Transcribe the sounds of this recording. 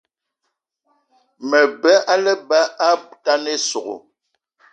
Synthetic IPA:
mɛ˨bɛ˦ʔa˦lɛ˦ba˦a˦ta˦ne˦so˨ɣo̰˨

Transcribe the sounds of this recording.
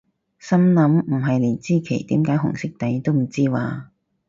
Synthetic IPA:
sɐ˥mlɐ˨˥mm̩˨˩ɦɐ˨jle˨˩jt͡siː˥kʰe˨˩jt̪iː˨˥mkaː˨˥jɦʊ̰˨˩ŋsɪ˥k̚t̪ɐ˨˧jt̪o˥wm̩˨˩t͡siː˥waː˨˧

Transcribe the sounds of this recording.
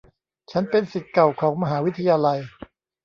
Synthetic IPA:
t͡ɕʰa˦˥npe˧nsi˨˩t̪̚ka˨˩wkʰɔː˩˦ŋma˧ɦaː˩˦wi˦˥t̪ʰa˧jaː˧la˧j

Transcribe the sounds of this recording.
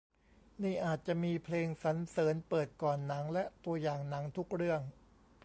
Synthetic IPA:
niː˥˩ʔaː˨˩t̪̚t͡ɕa˨˩ʔmiː˧pʰleː˧ŋsa˩˦nsɤː˩˦npɤː˨˩t̪̚kɔː˨˩nːa˩˦ŋlɛ˦˥ʔt̪u˧ɐjaː˨˩ŋna˩˦ŋt̪ʰu˦˥k̚ɾɯ˥˩əŋ

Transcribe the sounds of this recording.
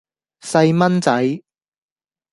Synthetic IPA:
sɐ˧jmɐ˥nt͡sɐ˨˥j

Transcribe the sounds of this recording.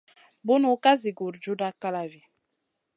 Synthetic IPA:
bu˦no˨˦ka˦zi˨ɡu˨ɾd͡ʒu˦da˦ka˦la˨vi˨

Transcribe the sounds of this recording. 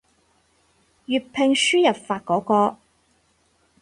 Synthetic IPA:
jyː˨t̚pʰe˨˧ŋsyː˥jɐ˨p̚faː˧t̚kɔː˨˥kɔː˧

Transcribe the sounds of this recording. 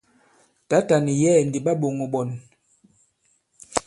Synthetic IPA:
ta˨˦ta˨ni˨jɛ˦˨ndi˨ɓa˦ɓo˨ŋo˨ɓɔ˨n

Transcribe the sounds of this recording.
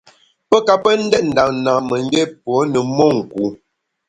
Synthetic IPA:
pə˦ka˨pə˦n̩˦dɛ˦t̚n̩˨da˨ŋn˨na˨mə˨n˦de˦pwɔ˨˦nə˨mɔ˦˨ŋ̩˨ku˨˦

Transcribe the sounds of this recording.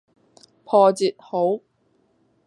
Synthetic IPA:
pʰɔː˧t͡siː˨t̚ho˨˥w

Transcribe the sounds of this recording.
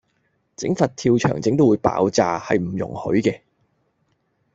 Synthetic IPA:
t͡sɪ̰˨˥ŋfɐ˨t̚t̪ʰiː˧wt͡ʃʰœ̰ː˨˩ŋt͡sɪ˨˥ŋt̪̬wu˨˥jpa̰ː˨˥wt͡saː˨hɐ̰˨jm̩˨˩jʊ̰˨˩ŋhɵ̰˨˥ɥkɛː˧

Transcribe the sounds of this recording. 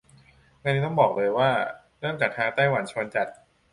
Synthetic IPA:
na˧niː˦˥t̪ɔ˥˩bɔː˨˩k̚lɤː˧jwaː˥˩ | ɾɯ˥˩əŋt͡ɕaː˨˩k̚t̪ʰaː˧ŋt̪aː˥˩jwa˩˦nt͡ɕʰu˧ənt͡ɕa˨˩t̪̚

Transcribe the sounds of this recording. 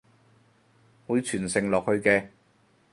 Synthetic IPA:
wuː˨˥t͡ʃʰyː˨˩nsɪ˨˩ŋlɔː˨k̚hɵ˧ɥkɛː˧

